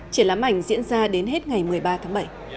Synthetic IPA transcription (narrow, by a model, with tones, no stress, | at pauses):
t͡ɕi˧˩laː˨˦mʔa˧˩jŋ̟zḭ˧˥ənzaː˧ɗe˨˦nɦe˦˥t̚ŋa˨˩jmɨ˨˩əjɓaː˧t̪ʰaː˨˦ŋɓə˧˩j